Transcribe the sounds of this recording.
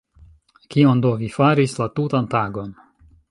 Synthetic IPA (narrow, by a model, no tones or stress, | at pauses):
kiondovifaɾislatutantaɡo̞n